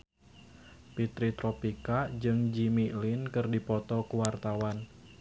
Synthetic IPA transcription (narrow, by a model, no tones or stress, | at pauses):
pit̪ɾit̪ɾɔpikad͡ʒɨŋd͡ʒimilinkɨrdipɔt̪ɔkuwart̪awan